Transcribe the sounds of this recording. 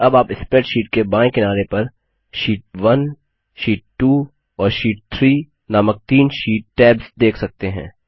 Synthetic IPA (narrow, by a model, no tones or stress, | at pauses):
ɐbaːpɪspeːʈʃiːʈ̚kebãːɪ̃kɪnaːɾepɐɾ | ʃiːʈ̚ʋɐn | ʃiːʈ̚ʈuː | ɔːɾʃiːʈ̚t̪ʰɾiː | naːmək̚t̪iːnʃiːʈ̚ːɛːbzd̪eːkʰsɐk̚t̪eɦɛ̰̃ː